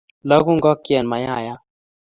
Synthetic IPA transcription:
la˦ɡu˦ŋɡɔ˦kːjɛ˨nma˨ja˦˨ja˦

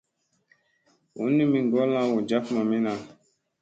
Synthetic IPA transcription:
ṵ˨˦nĩ˦mĩ˨ɡɔ˦lã˦wo˨d͡ʒa˦ku˦mã˨mĩ˦nã˨

